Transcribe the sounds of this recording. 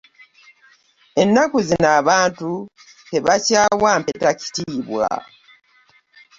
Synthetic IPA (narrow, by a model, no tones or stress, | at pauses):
e̞nːakuzinaːβaːntu | teβacaːwampe̞taci̥tiːβwa̰